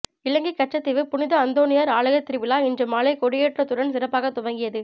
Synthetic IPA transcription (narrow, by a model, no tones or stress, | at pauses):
ɪlɐŋɡikːɐʈt͡ʃːɐt̪ːɪʋɯpʊnɪðɐɐnd̪oːnɪjaːɾaːɭɐɣɐt̪ːɪɾɯʋɪlaːɪndrɯmːaːlɐɪkɔɽɪjeːʈrɐt̪ːʊɽɐnsɪɾɐpːaːɣɐt̪ʊʋɐŋɡɪjɐðɯ